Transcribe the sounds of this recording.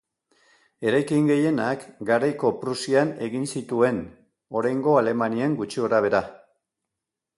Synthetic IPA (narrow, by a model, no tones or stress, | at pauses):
e̞ɾajkiŋɡe̞je̞nakɡaɾajko̞pɾusiane̞ɣinsit̪ue̞n | o̞ɾajŋɡo̞ale̞manieŋɡut͡ʃio̞ɾaβ̞e̞ɾa